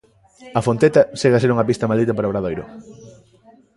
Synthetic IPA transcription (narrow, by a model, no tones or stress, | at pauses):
ɐfont̪et̪ɐseɣɐseɾuŋɐpist̪ɐmald̪it̪̬ɐpaɾaoβɾaðojɾʊ̰